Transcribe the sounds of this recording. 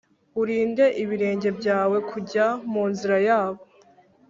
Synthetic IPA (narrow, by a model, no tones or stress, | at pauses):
uɾiːnde̞ʔiβiɾe̞ːɲɟe̞bɟaːwe̞kʰuɟamuːnziɾajaːβo